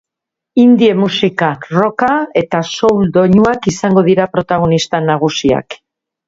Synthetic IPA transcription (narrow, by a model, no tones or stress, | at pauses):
ind̪ie̞musikaro̞kae̞t̪aso̞wld̪o̞ɲuakisaŋɡo̞ð̞iɾapɾo̞t̪aɣ̞o̞nist̪anaɣ̞usia̰k